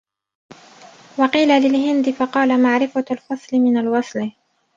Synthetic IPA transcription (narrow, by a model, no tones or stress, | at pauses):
wɑqiːlalɪlhɪnd̪ɪfɑqɑːlamaʕɾɪfalfɑsˤlɪmɪnalwɑsˤl